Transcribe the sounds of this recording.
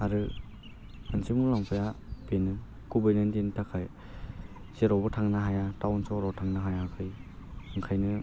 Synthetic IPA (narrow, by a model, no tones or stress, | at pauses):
aɾɯ | ansimulaŋpʰajabenɯ | kubɯjnɯndentʰakʰaj | seɾɔwbɯtʰaŋnaɦajatawnsɔɾɔwtʰaŋnaɦajakʰɯjɯŋkʰajnɯ